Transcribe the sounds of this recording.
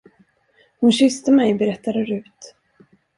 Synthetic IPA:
hʊnɕʏst̪əmɛjbɛɾɛt̪ʰːad̪əɾʉ̟ːt̪

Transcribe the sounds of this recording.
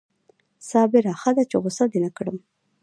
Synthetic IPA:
sɑbɪɾaxad̪at͡ʃeɣʊsad̪enakɽəm

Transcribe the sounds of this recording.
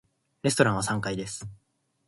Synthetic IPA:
ɾe̞sɨ̥t̪o̞ɾãɰ̃βasãŋkaid̪e̞sɨ̥

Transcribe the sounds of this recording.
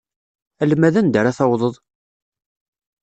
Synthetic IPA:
ælmæðænd̪əɾaθɑwðˤəðˤ

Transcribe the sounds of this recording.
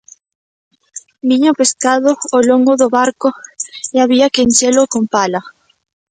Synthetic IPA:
miɲopeskaðooloŋɡoðoβaɾkoeaβiakenʲt͡ʃelokompala

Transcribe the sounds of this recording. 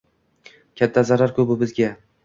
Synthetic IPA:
kʲʰat̪ʰːazaɾaɾkʰɵbɪbɪzɡʲa

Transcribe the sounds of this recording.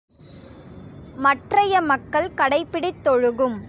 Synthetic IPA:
mɐʈrɐjɐmɐkːɐɭkɐɽɐɪpːɪɽɪt̪ːɔɻɯɣɯm

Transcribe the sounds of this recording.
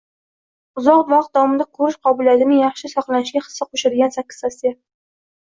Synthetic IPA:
ʊzɒqt̪vɑqt̪̚d̪awɒmɪd̪akʰɵɾɪʃqʰɒbʊljat̪ɪnɪŋjɑχʃɪsɒχlˠanɪʃɡʲaχɨ̥sːaqʰoʃɪɾɡʲansakʲːɪ̥zasija

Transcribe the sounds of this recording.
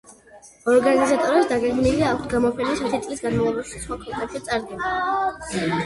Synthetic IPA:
ɔɾɡanizat̪ʼɔɾɛpsd̪aɡɛɡmiliak̚ʰt̪ʰɡamɔpʰɛnasat̪ʰit̪sʼlisɡanmavlˠɔbaʃi̥sχwakʰɔkʼnaʃit̪sʼaɾd̪ɡɛna

